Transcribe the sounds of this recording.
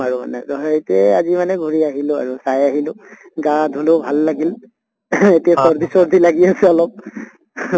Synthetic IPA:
aɹuma̰nɛtɔɦetiɛazimanɛɡʱuɹiaɦilʊa̰ɹusajaɦilʊ | ɡaadʱulobʱalːaɡil | etiasɔɹd̪ʱisɔɹd̪ʱilaɡiasɛɔlɔp̚

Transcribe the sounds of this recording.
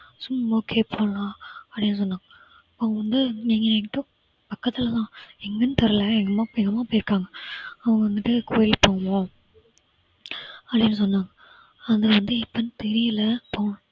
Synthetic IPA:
sʊmːoːkʰeːpʰoːlãːɐpɽɪnːɯs̬ɔnːaːŋɡɐ | pːoːŋɡɐʋɐnd̪ɯnɛŋɡɐnɐkːɪʈːɯ̃ | pɐkːɐt̪ːɪlɐt̪ãːɛŋɡɐnɯt̪ɛɾɐlɐɛŋɡɐmaːpɛŋɡɐmaːpoːjɪɾɯkːaːŋɡɐɐʋɐŋɡɐʋɐnd̪ɯʈːɯkʰoːjɪlpoːɐmõː | ɐpɽɪnːɯs̬ɔnːaːŋɡɐ | ɐðɐʋɐnd̪ɯɪpːɐnɯ̃t̪ɛɾɪjɐlɐpoːnʊ̃

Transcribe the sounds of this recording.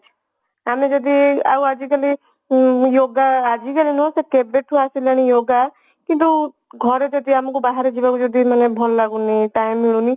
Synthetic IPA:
amẽd͡ʒɔd̪ia̰uad͡ʒikəli | joːɡaːd͡ʒikalinõsekebeʈʰuasileɽ̃ijoːɡa | kĩnt̪̬u | ɡʱɔɾet̪et̪iamukubaɦaɾed͡ʒibakud͡ʒɔd̪imənebʱɔlːaɡuniʈaːɪmːiɭuni

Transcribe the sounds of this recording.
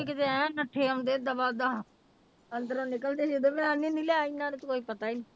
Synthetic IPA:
ikɪt̪eɛ̃nəʈʰːeːəmd̪eːd̪əbaːd̪aː | ənd̪əɾõːnekəld̪eːseːd̪oːmɛ̃anĩːnĩːlɛːainːãːneːt̪koːiːpət̪aːiːnĩː

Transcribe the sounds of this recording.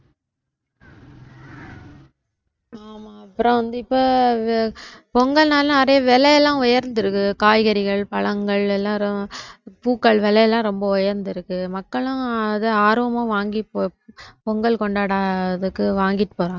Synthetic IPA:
aːmaːɐpːɯɾɔ̃ʋɐnd̪ɯɪpːoː | pɔŋɡɐlnaːlnɐɾɐjɐʋɛlɐjɛlːãːʊjɐɾnd̪ɪɾɯkːɯkaːjɣɐɾɪɣɐɭpɐɭɐŋɡɐɭɛlːãːɾ | puːkːɐɭʋɛlɐjɐlːãːɾɔmbɐʊjɐɾnd̪ɪɾɯkːɯmɐkːɐɭʊ̃ɐðɯaːɾoːɐmãːʋaːŋɡipoːpɔŋɡɐɭkɔɳɖaːɽaːðɯkːɯʋaːŋɡɪʈːɯ̥poːɾãːŋɡɐ

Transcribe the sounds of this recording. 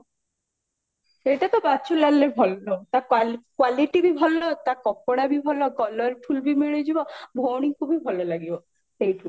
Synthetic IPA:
eʈat̪ɔbat͡ʃʰulalːebʱɔlnɔt̪akalkwaliʈibibʱɔlːɔt̪akɔkːɔɽabibʱɔlɔkɔlɔɾʈʰulbimeɭed͡ʑibɔbʱowñiŋkʰubʱibʱɔlɔlaɡibɔ | sejʈʰu

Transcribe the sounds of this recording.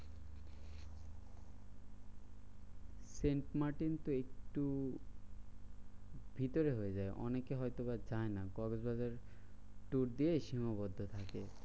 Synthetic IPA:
seɳʈmaɾʈint̪oekʈu | bʱit̪oɾeɦojed͡ʑaeʔɔ̰nekeɦɔjt̪obad͡ʑaenakɔɡosbad͡ʑaɾʈuɾd̪ieʃimabɔd̪ʱːot̪ʰake

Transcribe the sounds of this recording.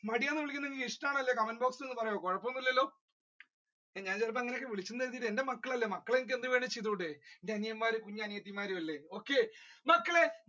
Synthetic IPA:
mɐɽijaːnːɨʋiɭikʲːunːɐeŋɡiliʂʈaːɳɐlːekɐmɐnboːksenːɨpɐrɐjokoɻɐpːoonːilːɐlːo̞ː | eɲaːnt͡ɕerp̬ːɐɐŋːɐnejkːeʋiɭit͡ɕːunːɨeːðiːʈːe̞nde̞mɐkːɐɭɐlːeːmɐkːɐɭenik̬ʲːend̪ɨʋeːɳɖɨt͡ɕiðuːɳɖeendeɐnijɐmːaːɾukuɲːɐaːnijɐt̪ːimːaːɾumɐlːeo̞ːkːe̞mɐkːɐɭe

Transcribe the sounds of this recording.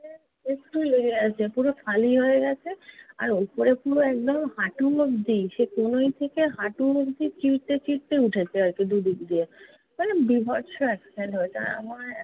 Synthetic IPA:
e | esʈuleɡiat͡ɕʰepuɾofʰaliɦoeɡɛt͡ɕʰea̰ɾopoɾepuɾoɛk̚d̪omhaʈulokd̪iʃekonojt̪ʰekeɦaʈulokd̪it͡ɕiɾt̪et͡ɕiɾt̪euʈʰet͡ɕʰead͡ʑked̪ud̪ikd̪ie | pɔɾebibʱɔɾʃoɛkspenɦoet͡ɕʰa̰ɾa̰ma

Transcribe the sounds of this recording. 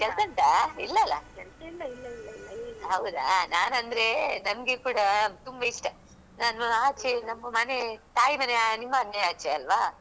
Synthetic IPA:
kɛlsɐnt̪aːilːɐlːɐ̰kɐlɐilːɐlɐlːɦɐwd̪a̰naːnɐnd̪ɐɾe̞nɐmɡekuːɽɐt̪umbɐiʂʈɐ | naːnɐaːt͡ʃenɐmːɐmɐnet̪aːjimɐneanimːɐːnːɐaːt͡ʃeɐlʋaː

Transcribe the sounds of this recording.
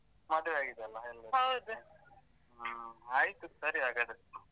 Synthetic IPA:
mɐd̪ɐʋeaːɡid̪ɐlːɐelːɐɦɐwd̪u | aːjt̪usɐɾiaːɡad̪e

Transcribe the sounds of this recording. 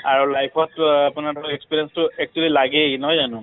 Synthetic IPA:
aɹulajpʰɔtapunadʱɔɔɛkspiɹiɛnstʊɛk̚t͡ʃualilaɡɛnɔɦɔjzanʊ̃

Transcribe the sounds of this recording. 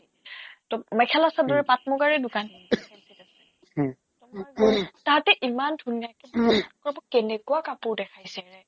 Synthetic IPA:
tɔmɛkʰɛlasadɔɹɛpat̚mɔɡaɹɛdʊkan | iasɛ | ɔ | taɦatɛʔimandʱunijakɛbɔkɔɹabɔkɛnɛkuwakapʊɹdɛkʰajsɛɹɛ

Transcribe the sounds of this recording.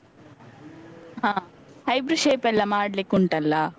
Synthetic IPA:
ɦãː | hɐjbɾuʃeːpɛlːɐmaːɽɐlikːuɳʈɐlːɐ

